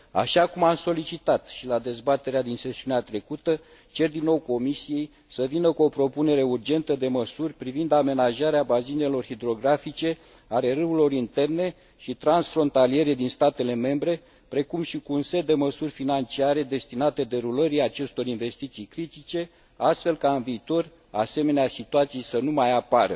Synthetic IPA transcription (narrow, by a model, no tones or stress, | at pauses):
a̰ʃakumamso̞lit͡ʃit̪at̪ʃilad̪e̞zbat̪e̞ɾead̪inse̞siuneat̪ɾe̞kut̪ə | t͡ʃe̞rd̪inːo̞wko̞misije̞j | səvinəkuo̞pɾo̞pune̞ɾe̞urd͡ʒe̞nt̪əd̪e̞məsurʲpɾivind̪ame̞naʒaɾeabazine̞lo̞rhid̪ɾo̞ɡɾafit͡ʃe̞ | ale̞ɾɨwulo̞ɾint̪e̞rne̞ | ʃit̪ɾansfɾo̞nt̪alie̞ɾe̞d̪inst̪at̪e̞le̞me̞mbɾe̞ | pɾe̞kumʃikuunse̞t̪̚d̪e̞məsurʲfinant͡ʃiaɾe̞d̪e̞st̪inat̪e̞d̪e̞ɾuləɾiat͡ʃe̞st̪o̞ɾinve̞st̪it̪sijkɾit̪it͡ʃe̞ | ast̪fe̞lkaɨnviːt̪o̞r | a̰se̞me̞neasit̪uat̪sijejsənumajapaɾə